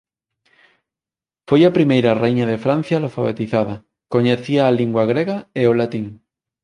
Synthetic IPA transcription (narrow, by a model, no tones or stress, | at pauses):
fojapɾimejɾarejɲaðe̞fɾan̟θjalofaβ̞ḛt̪iθaða | ko̞ɲeθiaːliŋɡwaɣ̞ɾeɣaeolat̪iŋ